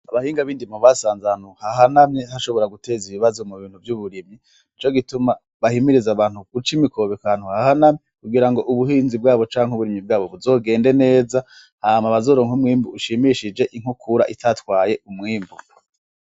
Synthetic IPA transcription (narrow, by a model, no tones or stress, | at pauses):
aβahiːŋɡaβiːndimuβasaːnzaanuhaɦanamɲehaʃo̞βo̞ɾaɡute̞ːziβiβazomuβiːn̥huvjuβuɾimɲi | it͡ʃo̞ɡituma | βahimiɾizaβaːnhuɡ̥ut͡ʃimikʰo̞βekwaːn̥huhahanamɲekuɡiɾaŋɡo̞ʔuβuɦiːnzib̚ɡaːβo̞t͡ʃaːŋhuβuɾimɲib̚ɡaːβo̞βuzo̞ːɡe̞ːnde̞ne̞ːza | hamaβazo̞ːɾo̞ːŋhumŋiːmbuuʃimiʃid͡ʒe̞ʔiŋ̥ukʰuɾa̰ʔitʰatwaːje̞umŋiːmbu